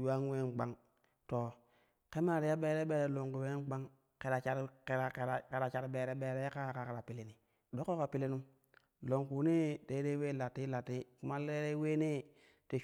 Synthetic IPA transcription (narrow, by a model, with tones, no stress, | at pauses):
ja˦nwe˦n˨ɡ͡ba˦ŋ | to˨ | ke˦ma˦˨ɾi˨ja˦be˦ɾe˦ɓe˦ɾe˨lo˨ŋku˨we˦ɡ͡ba˦ŋ | ke˨ɾa˨t͡ʃa˦ɾke˨ɾa˨e˨ɾke˨ɾa˨t͡ʃa˦ɾbe˨ɾe˦be˨ɾe˦jka˦˨ka˨ke˨ɾa˨pi˨le˨ni˨ | do˦ko˦ka˨pi˦le˦nu˦m | lo˨ŋku˨ni˦de˦ɾe˦we˦la˨tːi˦la˨tːi˦ku˦ma˦le˦ɾe˦we˦ne˦ | te˨